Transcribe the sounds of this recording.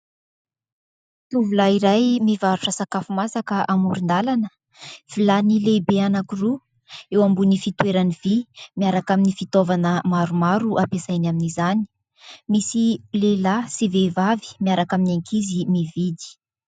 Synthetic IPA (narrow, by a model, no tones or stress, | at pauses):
t̪uvulaiɾajmivaɾuʈ͡ʂəsakafumasakəʔamuɾind̪alanə | v̥ilanilebeanakiru | ewambunifit̪weɾaniv̥imiaɾakaminifit̪ovanəmaɾumaɾuʔapesajnaminizani̥ | misilelasivevavi̥miaɾakaminaŋkʰizimivid̪i̥